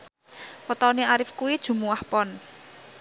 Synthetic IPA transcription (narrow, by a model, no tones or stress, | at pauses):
pɔt̪ɔniaɾɪfkuwid̥ʒ̥ṳmuwahpɔn